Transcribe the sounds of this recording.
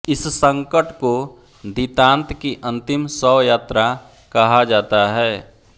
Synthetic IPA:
ɪssə̃ŋkəʈko | d̪it̪ãːnt̪kiʔə̃nt̪ɪmsɔːjaːt̪ɾa | kɐɦad͡ʒaːt̪aɦɛː

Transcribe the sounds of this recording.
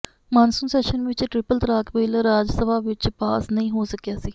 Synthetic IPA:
maːnsʊmsɛːʃənʋɪt͡ʃʈɾɪpəlt̪əɾaːkʋeːlɾaːd͡ʒsəʋaːʋɪt͡ʃpaːsnəĩːɦoːsəkjaːsiː

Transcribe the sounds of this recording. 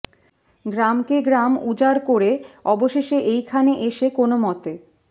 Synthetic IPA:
ɡɾamkeɡɾamud͡ʑaɾkoɾeɔboʃeʃeʔejkʰaneʔeʃekonomɔt̪e

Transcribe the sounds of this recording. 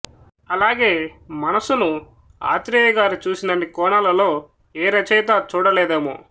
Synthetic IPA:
ɐlaːɡe̞ːmɐnɐsunu | a̰ːt̪ɾiɐɡaːɾut͡ʃuːsinɐɳːikɔːnɐlɐlo̞ː | eːɾɐt͡ʃɛjt̪at͡ʃuːɽɐleːd̪eːmo̰ː

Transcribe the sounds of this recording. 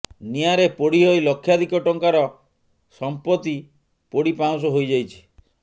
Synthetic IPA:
niaɾepoɽiɦojlɔkʰːjad̪ʱikɔʈɔŋkaɾɔ | sɔmpɔt̪i | poɽipaw̃s̬ɔɦojd͡ʒajt͡ʃʰi̥

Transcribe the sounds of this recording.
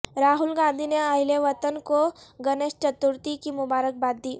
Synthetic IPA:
ɾaːɦʊlɡãːnd̪ʱineəɪleʋət̪ənkoɡɐneːst͡ʃət̪uɾt̪ikimʊbaːɾək̚baːt̪̚d̪iː

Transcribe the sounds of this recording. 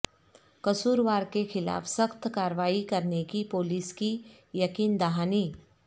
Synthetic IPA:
kɐsuːɾʋaːɾkexɪla̰ːfsɐxt̪kaːɾʋaːikɐɾnekipoːliːski | jɐkiːnd̪aɦaːniː

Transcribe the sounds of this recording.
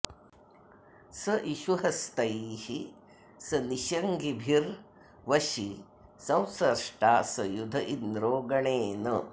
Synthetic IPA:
sɐʔiʃuɦɐst̪ɐjːhi | sɐniʃɐŋɡibʱiɾ | ʋɐʃi | sɐ̃w̃sɐɾʂʈaːsɐjud̪ʱɐʔind̪ɾoːɡɐɳeːnɐ

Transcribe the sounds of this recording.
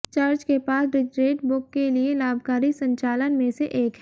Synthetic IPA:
t͡ʃaːɾd͡ʒkepaːsɾɪd͡ʒɾeːʈbʊkːelielaːbkaːɾisɐ̃ɲt͡ʃaːlənmẽseʔeːkɦɛ

